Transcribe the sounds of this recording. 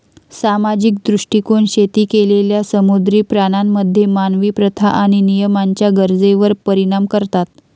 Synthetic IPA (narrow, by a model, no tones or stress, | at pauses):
samad͡ʑik̚d̪ɾuʂʈikoɳɕet̪iːkeleljasəmud̪ɾiːpɾaɽ̃amːəd̪ʱːjemanʋiːpɾət̪ʰaʔaɽ̃inijəmaɲt͡ɕjaɡəɾd͡zeʋəɾpəɾiɽ̃amkəɾt̪at̪